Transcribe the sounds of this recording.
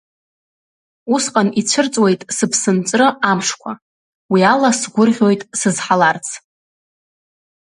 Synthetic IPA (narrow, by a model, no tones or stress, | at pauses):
usqʼanit͡ɕʷʰɨrt͡sʼwe̞jtʼsɨpʰsɨnt͡sʼrɨamʂkʷʰa̰ | wialasɡʷʊrʁʲo̞jtʼsɨzħalart͡sʰ